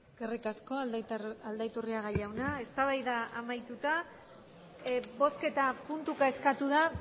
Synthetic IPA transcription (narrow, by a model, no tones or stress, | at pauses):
ɡ̥erikasko̞ald̪ajt̪uriaɣaʎawnae̞st̪aβajðaʔamajt̪ut̪a | bo̞ske̞t̪apunt̪ukae̞skat̪uða